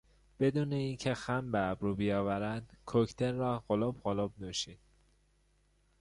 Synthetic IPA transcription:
b̥e̞d̪uːne̞iːncʰe̞xæmbeæbɾuːbijɒːvæɾænd̪kʰoct̪ʰeɾːɒːɢolobɢolob̚nuːʃiːd̪̥

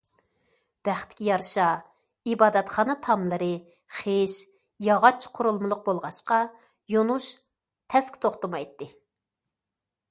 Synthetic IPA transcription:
b̥æχt̪ɪ̥kʲijɑɾʃɑ | ibɑːd̪ɛt̪χɑnɨt̪ʰɑmlˠɨɾɨ | χeʃ | jɑʁɑt͡ʃʰːi̥qʰʊɾulˠmɨlˠʊq̚bolˠʁɑʃqɑ | jonuʃ | t̪ʰɛskʲt̪ʰoχt̪əmɑjt̪ːɨ

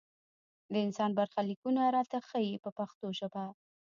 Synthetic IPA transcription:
d̪əɪnsɑnbaɾxalikunaɾɑt̪axəjipəpaxt̪oʃaba

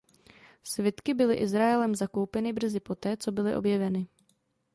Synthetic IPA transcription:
svjɛt̪kɪbɪlɪ̰ʔɪzɾaɛlɛmzako̞wpɛnɪbr̩zɪpo̞t̪ɛːt͡so̞bɪlɪʔo̞̰bjɛvɛnɪ

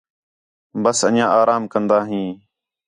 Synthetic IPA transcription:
bəsəɲjãːaːɾaːmkənd̪aːɦĩː

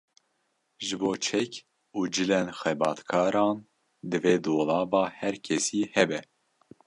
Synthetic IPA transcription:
ʒɨboːt͡ʃʰɛk | uːd͡ʒɨlɛnxɛbɑːt̪kʰɑːɾɑːn | d̪ɨveːd̪oːlɑːbɑːhɛɾkʰɛsiːhɛbɛ

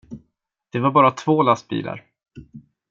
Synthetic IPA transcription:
d̪̥ɛvaɾbɑːɾat̪ʰvoːlast̪̚bḭːla̰ɾ

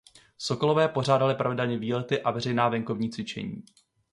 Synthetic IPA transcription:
so̞ko̞lo̞vɛːpo̞raːdalɪpɾavɪdɛlɲɛviːlɛt̪ɪʔavɛrɛjnaːvɛŋko̞vɲiːt͡svɪt͡ʃɛ̰ɲḭː

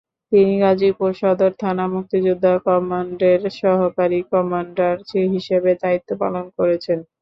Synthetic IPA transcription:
t̪iniɡad͡ʑipoɾʃɔd̪oɾt̪ʰanamuk̚t̪id͡ʑud̪ʱːakɔmaɳɖeɾʃɔɦokaɾikɔmaɳɖaɾt͡ɕeɦiʃebed̪ait̪ːopa̰lonkoɾet͡ɕʰen

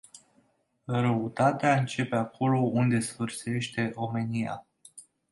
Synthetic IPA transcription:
ɾəut̪at̪eaɨnt͡ʃe̞pe̞akʰo̞lo̞ʔund̪e̞sfɨrse̞ʃt̪e̞ʔo̞me̞nia̰

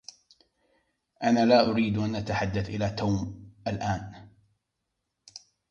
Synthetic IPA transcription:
ʔanaːlaːʔʊɾiːd̪ʔanʔat̪aħad̪ːaθʔɪlaːt̪aːmʔalʔaːn

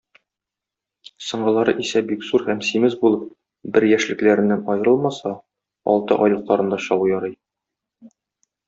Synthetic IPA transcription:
sɤ̆ɴɢɤ̆lˠɑɾɤ̰ʔisæbikzuɾhæmsimɘzbulˠɤp̚ | bɘɾjæʃlɘ̆klæɾɘ̆nːænɒjɤ̆ɾɤlˠmɑsɑ | ɒ̰lˠt̪ɤ̰ʔɒjlˠɤ̆qlˠɑɾɤ̆nd̪ɑɕɒlˠujɒɾɤj

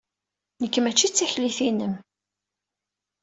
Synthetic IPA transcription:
nəkːəmæt͡ʃːit͡sːæçliθinəm

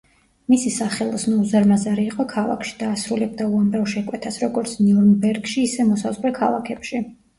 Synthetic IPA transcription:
misisaχɛlˠɔsnuuzaɾmazaɾiːqʼɔkʰalˠa̰kʃi̥d̪̥aːsɾulɛb̚d̪auamɾavʃɛkʼwɛt̪ʰasɾɔɡɔɾt̪sʰniuɾnbɛɾɡʃiːsɛmɔsazʁlɛkʰalˠa̰kʰɛpʃi

